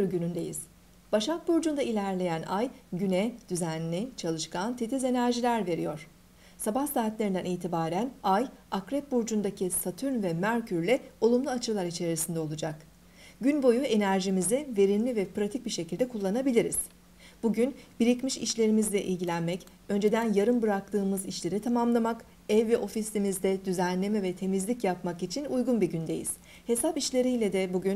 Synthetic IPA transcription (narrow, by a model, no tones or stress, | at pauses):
ɾɟynynd̪e̞jḭz̥ | b̥aʃak̚buɾd͡ʒund̪ailʲæɾlʲe̞jænajɟynɛd̪̥yzænːʲit͡ʃʰalˠɯʃkant̪ʰet̪ʰize̞næɾʒilʲæɾve̞ɾḭjo̞ɾ̥ | sabahsaːt̪lʲeɾind̪æ̰niːt̪ʰibaːɾænajakɾɛp̚buɾd͡ʒund̪acʰisat̪ʰyɾnvɛmæɾcʰyɾlʲɛo̞lˠumlˠuat͡ʃʰɯlˠaɾit͡ʃʰe̞ɾɾisind̪ɛo̞lˠud͡ʒak | ɟynbo̞jue̞næɾʒimizɛve̞ɾinlʲivɛpɾat̪ʰic̚biʃe̞cilʲd̪ɛkʰulˠːanabilʲiɾiz̥ | b̥uɟynbiɾicmiʃiʃlʲe̞ɾimizlʲɛʔḭlʲɟilʲænmɛc | ø̞nd͡ʒe̞d̪ænjaɾɯnbɯɾak̚t̪ʰɯːmɯziʃlʲe̞ɾit̪ʰamamlˠamak | ɛvːɛʔo̞fislʲimizd̪ɛd̪yzænlʲe̞mɛvɛt̪ʰe̞mizlʲicjapmakit͡ʃʰinujɡunbiɟynd̪e̞̰jḭz̥ | he̞sapiʃlʲe̞ɾijlʲɛd̪ɛbuɟyn